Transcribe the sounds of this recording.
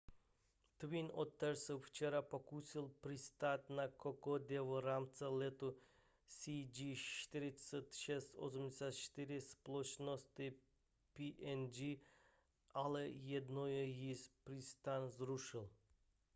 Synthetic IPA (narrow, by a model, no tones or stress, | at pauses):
t̪ʋinɔt̪ːɛɾsɨwft͡ʃɛɾapɔkusilˠpɾist̪at̪ʲnakɔkɔd̪ʲɛʋɔɾamt͡s̪ɛlɛt̪u | sid͡ʒiʃt̪iɾisɛt̪ʃɛstʲɔ̰sumd͡ʑɛsʲjat̪ʃt̪iɾisplˠɔt͡ʃnɔst̪ɨ | piʔɛnd͡ʒi | alɛjɛd̪nɔjɛjispɾist̪anzɾuʃɨlˠ